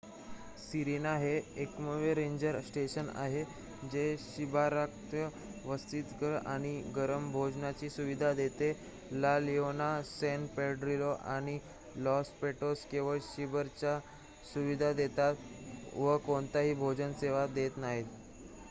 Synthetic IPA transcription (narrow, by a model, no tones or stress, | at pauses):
siɾinaɦeekməʋeɾeɲd͡ʑəɾsʈeɕəna̰ɦe | d͡ʑeɕibʱaɾak̚t̪ə | ʋəst̪iːt̪ɡəɾa̰ɽ̃iɡəɾəmbʱod͡ʑnat͡ɕiːsuʋid̪ʱad̪et̪e | lalionasɛnpeɖɾiloʔaɽ̃i | lɔspeʈoskĩʋaɕibəɾt͡ɕa | suʋid̪ʱad̪et̪at̪ | ʋəkoɳt̪aɦiːbʱod͡ʑənseʋad̪et̪naɦiːt̪̚